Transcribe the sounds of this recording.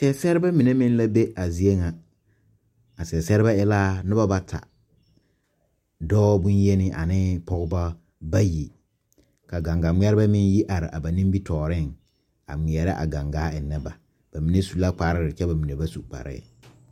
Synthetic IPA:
sɛ˦sɛ˦ɾɪ˦ba˦mi˨ne˦mɪ˦n˦la˦be˦a˨zi˨e˦ŋa˨ | a˨sɛ˨sɛ˦ɾɪ˦ba˦ɪ˦laː˦nɪ˦ba˦ba˦tʰa̰˨ | dɔː˦bʊ̃˦nje˦nɪ˦ʔa̰˨nɪ˦pɔ˦ɣba˦ | ba˦ji˨ | ka˨ɡa˨ŋɡa˨m˦ɛ˦ɾɪ˦ba˦mɪ˦nji˦ʔa˨ɾɪ˨ʔa̰˨ba˨nĩ˦mbi˦tɔː˨ɾɪ˦˨ŋ | a̰˨mɪ˨ɛ˨ɾɪ˦ʔa̰˨ɡa˨ŋɡaː˦ɪ˨nɛ˦ba˨ | b̥a˨mi˨ne˦su˨la˦k͡pa˨ɾɪ˦ɾɪ˨t͡ʃɛ˦ba˨mi˨ne˨ba˦su˨k͡pa̰˨ɾɪ̰˦˨

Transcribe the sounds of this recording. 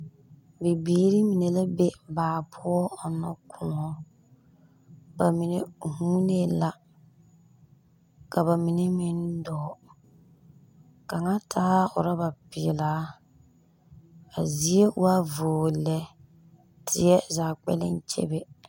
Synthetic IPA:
be˨biː˨˦ɾi˦mi˨ne˨la˦be˦baː˨pʰʊ˦ɔ˦ɔ˨nɔ˦kʰʊ˦nɔ˦ | ba˨mi˨ne˨hu˦ne˦la˦ | ka˨ba˨mi˨ne˦mɪ˦ndɔː˨˦ | ka˨ŋa˦tʰaː˦ʊ̰˨ɾa˦ba˨pɪ˨laː˨˦ | a˨zi˨˦e˦a˦voː˨lɛ˨ | tʰɪ˨˦ɛ˦zaː˨k͡pɛ̰˦lɪ̰˦n˦t͡ʃḛ˦be˦

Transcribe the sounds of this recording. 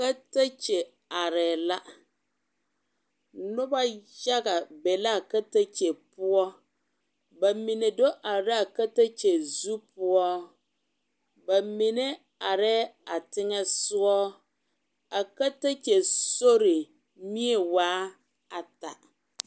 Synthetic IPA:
ka˦ta˦t͡ʃɛ˨ | a˨ɾɛ˨la˦ | nʊ˦ba˦ja˦ɡa˨bɛ˨la˦˨ka˦ta˦t͡ʃe˨pʊ˦ɔ˦ | ba˨mi˨ne˨do˦ʔa˨ɾɪ˦a˨ka˦ta˦t͡ʃe˨zu˦pʊ˦ɔ˦ | ba˨mɪ˨nɛ˦ | a˨ɾɛ˦a˨tɪ˦ŋɛ˦sʊ˦ɔ˦ | a˨ka˦ta˦t͡ʃe˨so˦ɾɪ˨ | mi˦ɛ˨waː˦ | a˨ta˨

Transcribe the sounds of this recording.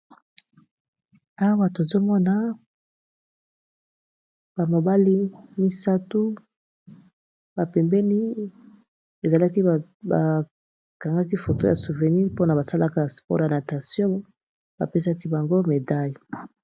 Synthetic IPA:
a˦wa˦to˨zo˦mɔ˦na˦ | ba˨mo˨ba˦li˦mi˦sa˦tu˦ | ba˨pɛ˨mbɛ˦ni˦ | e˨za˨la˦ki˦ba˨ | ka˨ŋɡa˦k̬i˦fo˨to˦ja˨su˨vɛ˨ni˦po˦na˨ba˨sa˦la˦ka˦spɔ̰˦ʁja˨na˨ta˨sjɔ̃˦ | ba̰˨pe˦sa˦ki˦ba˨ŋɡo˦me˨da˦ji˨

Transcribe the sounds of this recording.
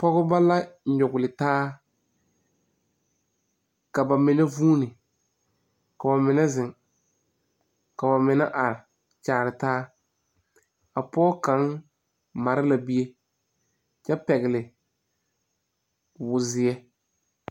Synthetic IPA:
pɔ˦ɣʊ˦ba˦la˦ɲʊ˨ɡʊ˨lɪ˨taː˦ | ka˨ba˨mɪ˨nɛ˦vuː˦nɪ˨ | ka˨ba˨mɪ˨nɛ˦zɪ˨ŋ | ka˨ba˨mɪ˨na̰˦ʔa˨ɾɪ˨ | t͡ʃaː˨ɾɪ˨taː˦ | a˨pɔː˦ka˨˦n | ma˨ɾɪ˦la˨bi˦e˦ | t͡ʃɛ˦pɛ˨ɣɪ˨lɪ˨ | wʊ˨zɪ˨ɛ˦

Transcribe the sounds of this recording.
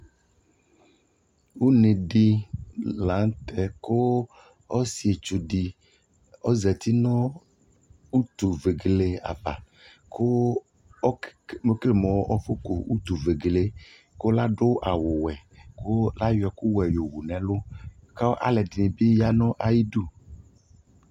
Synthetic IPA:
wu˦nẽ˨ɖi˦lã˨˦ŋ˦t̪ɛ˨ko˦ | ɔ˦si˨e˨t͡ʃu˨ɖi˨ | ɔ˦zɛ˨t̪i˦nɔ̃˦ | u˦t̪u˨ve˨ɡle˦a̰˨ba̰˨ | ko˦ | mo˦kle˨mɔ̃˨˦ʔɔ˦fo˦ko˨u˦t̪u˨ve˨ɡle˦ | ko˦la˦ɖʊ˦ʔa˨wʊ˨wɛ˨ko˦la˦jɛ˨ku˦wɛ˨jo˨wu˨nɛ̃˨lʊ˦ka˦wʔa̰˨lɛ˨di˨nẽ˨bi˦ja˦nɔ̃˦ʔa˨ji˦ɖu˦˨

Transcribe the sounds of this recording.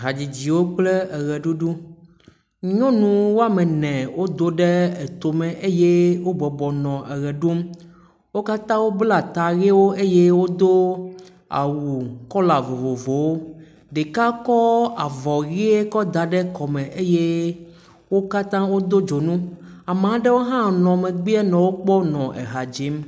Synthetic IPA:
ɦa˨d͡ʑi˨d͡ʑi˨wo˦k͡plɛ˦ɛ˨ɣɛ˨ɖu˦ɖu˦ | ɲɔ̃˦nũ˨wo˦a˨mɛ̃˨nɛ̃˨wo˦d̪o˦ɖɛ˦e˨t̪o˨mɛ̃˨ʔe˦je˦wo˦bɔ˨bɔ˨nɔ̃˨ʔɛ˨ɣɛ˨ɖo˦m | wo˦ka˦t̪ã˦wo˦bla˨t̪a˨ɣe˦wo˦ʔe˦je˦wo˦d̪o˦ | a̰˨wu˨kɔ˦la˨vo˨vo˨vo˨wo˦ | ɖe˨ka˦kɔ˦a˨vɔ˨ɣi˦e˦kɔ˦d̪a˨ɖɛ˦kɔ˨mɛ̃˨ʔe˦je˦ | wo˦ka˦t̪ã˦wo˦d̪o˦d͡ʒo˨nũ˦a˨m˨ã˨˦ɖɛ˦wo˦ɦã˦nɔ̃˨mɛ̃˨ɡ͡bi˦ɛ˦nɔ̃˨wo˦k͡pɔ˦nɔ̃˨ʔɛ̰˨ɦa˨d͡ʒi˨˦m

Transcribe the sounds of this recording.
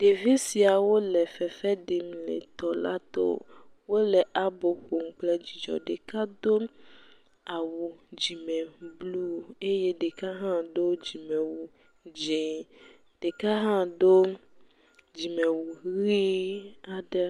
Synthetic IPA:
ɖ̥e˨ve˦si˨a˨wo˦lɛ˨fɛ˨fɛ˦ɖe˨m˨lɛ̰˨t̪ɔ˨la̰˦t̪o̰˦wo˦lɛ˨ʔa˦bo˨ɸo˨ŋ̩˨˦k͡plɛ˦d͡ʑi˨d͡ʒɔ̰˨ɖe˨ka˦d̪o˦ | a˨wu˨d͡ʒi˨mɛ̃˨blu˦e˦je˦ɖe˨ka˦ɦã˦ɖo˦d͡ʒi˨mɛ̃˨wu˨ | d͡ʒe˨ | ɖ̥e˨ka˦ɦã˦ɖo˦ | d͡ʒi˨mɛ̃˨wu˨˦i˦a˨ɖɛ˦

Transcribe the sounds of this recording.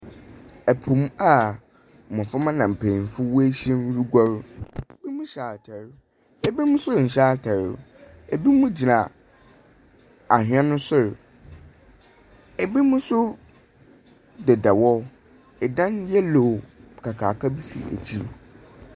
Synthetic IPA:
ɛ˨pʰʊ̃˨ma˨ | mɔ̃˨fʊ˦mã˦nã˨m̩˨pʰẽ˨n˨fʊ˦wu˦æ˦ɕɛ̃˦n˦ɾu˦ɡʷɔ˦ɾbi˦mũ˦ɕaː˨tʰɛ˨ɾ | ɛ˨bi˦mʊ̃˦sʊ˦ɾɲ̩˨ɕaː˦˨tʰɛ˨ɾ | e˨bi˦mũ˦d͡ʑi˨nã˨ | a˨hᶣɥã˦nʊ̃˦sʊ˦ɾ | ɛ˨bi˦mũ˦sʊ˦ | dɛ˨da˨wɔ˦ | ɛ˨dã˦njɛ˦lo˨kʰa˨kʰɾa̰ː˨kʰa˦bi˦sḭ˨æ̰˨t͡ɕʰi˦ɾ

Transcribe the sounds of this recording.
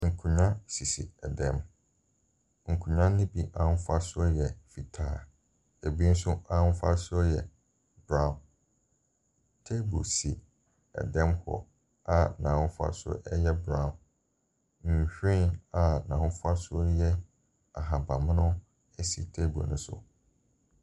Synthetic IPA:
ŋ̩˨kʰũ˨ɲã˦si˨sḭ˨ɛ˨dɛ̃˦m | ŋ̩˨kʰũ˨ɲã˦ɪ̃˦bi˦ʔã˦n̩˦fa˦sʊ˦jɛ˨fi˨tʰaː˦˨ | e˨bi˦n̩˦sʊ˦ã˦n̩˦fa˦sʊ˦jɛ˨ | bɾã˦˨n | tʰe˦bṵ˨si˨ | ɛ̰˨dɛ̃˦mhɔ̰˨ | a˨nã˨wfa̰˦sʊ̰˦ʔɛ˦jɛ˦bɾã˨ | ɲ̩˨ɕᶣĩ˦na˨nã˨wfa˦sʊ˦jɛ˦ | a˨ɦa˨ba˨m˦nʊ̃˦ | ɛ˦si˨tʰe˦bo̰˨nʊ̃˦sʊ̰˨

